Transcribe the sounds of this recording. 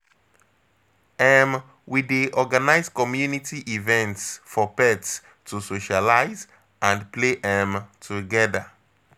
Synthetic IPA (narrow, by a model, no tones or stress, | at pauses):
ɛm | wideʔɔɡanaɪzkɔmjunitiʔivɛ̃ntsfɔpɛts | tʰusoʃalaɪz | ãnpleʔɛmtʰuɡɛda